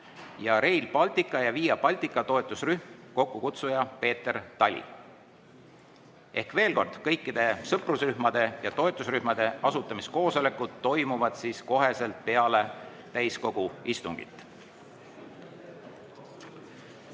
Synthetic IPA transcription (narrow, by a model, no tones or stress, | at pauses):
jɑɾe̞jlb̥ɑlt̪ˑikːˑɑjɑviːjɑb̥ɑlʲt̪ikːˑɑt̪o̞et̪ˑːusryhmko̞kːukut̪sujɑpe̞ːt̪ːe̞rt̪ɑlʲḭ | ʔe̞hkve̞ːlko̞rd̪̥kɤ̞jkːˑid̪̥e̞sɤprusryhmɑd̪̥e̞jɑt̪o̞e̞t̪ːˑusryhmɑd̪̥e̞ɑsut̪ːˑɑmisko̞ːso̞le̞kːˑud̪̥ːo̞jmuvɑd̪̥siːsko̞ɦe̞se̞lt̪̚pe̞ɑle̞ | t̪æjsko̞ɡ̥uist̪uŋɡ̥ḭt̪ːˑ